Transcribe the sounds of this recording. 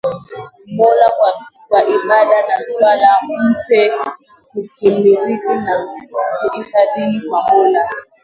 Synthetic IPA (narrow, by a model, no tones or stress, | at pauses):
mɔlakwaʔiɓadanaswalam̩pɛ | kukimiɾikinakuʔisadinikwamɔla